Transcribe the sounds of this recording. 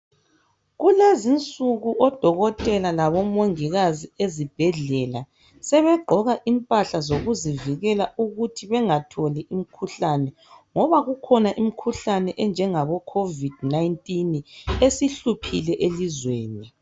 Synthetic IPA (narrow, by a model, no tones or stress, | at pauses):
ɣulezint͡sʼuɣuʔɔd̥ʱɔɣɔtʼɛlalaβɔmoŋiɣaziezib̥ʱɛɮɛla | sɛβɛɡ͡ǃʱɔɣaʔimpʼaɬazoɣuziviɣɛlauɣutʰiβɛŋatʰoliʔim̩kʰuɬanɛ | ŋɔβaɣukʰɔnaʔim̩kʰuɬanɛʔɛnd͡ʒʱɛŋaβɔkʰovid̥najntʼinesiɬupʰilɛʔelizweːni